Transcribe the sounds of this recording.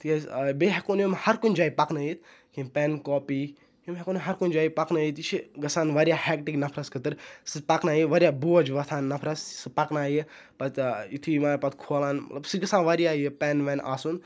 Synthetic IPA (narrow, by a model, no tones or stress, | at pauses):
t̪iɐbeɦekonjimhɐɾkunʲd͡ʒaːjipɐknɐjit̪ | kʰimpɛnkoːpiː | kimɦekonɦɐɾkunʲd͡ʒaːipɐknɐjit̪it͡ʃʰiɡɐsaːnʋɐɾʲjahɛk̚ʈiɡnɐpʰɾɐskɨt̪ɨɾsɨpɐknaːjiʋɐɾjaːbuɐd͡ʒʋɐt̪ʰaːnːɐpʰɾɐssɨpɐknaːji | pɐt̪it̪ʰimaːpɐt̪̚kʰoːlaːnmɐt̪lɐbsɨɡɐsãːnʋɐɾijaːjipɛːnʋenʔa̰ːsun